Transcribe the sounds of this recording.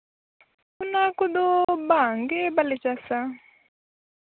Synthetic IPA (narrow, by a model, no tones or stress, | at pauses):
unakud̪obaŋɡɛbalɛt͡ʃasa